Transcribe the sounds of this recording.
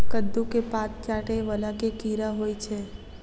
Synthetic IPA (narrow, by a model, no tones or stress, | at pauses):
kəd̪ːũkepat̪̚t͡ʃaʈeʋəlakekiɾaɦojt͡ʃʰe